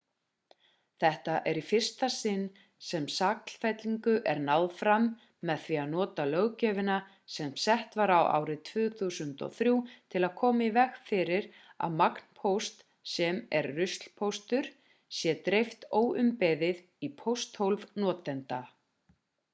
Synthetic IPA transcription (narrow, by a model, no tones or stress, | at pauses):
θɛht̪aʔɛɾifɪr̥st̪asɪnː | sɛmsakl̥fɛt̪liŋkʏʔɛɾnawðfɾamː | ɛðθviaðnɔːt̪alœɣcɛːvɪna | sɛmsɛht̪vaɾawa̰ːwɾɪt̪ʰvʏːθusʏnt̪ɔ̰θɾjuːt̪ʰɪlaðkʰɔːmaivɛxfɪːɾɪɾ | a̰ðmakn̥pʰowst̪ | sɛmɛɾːʏst̪l̥pʰowst̪ʏɾ̥ | sjɛt̪ɾejft̪oːwʔʏmpɛðɪð | ipʰowst̪howlvnɔːt̪ɛnt̪a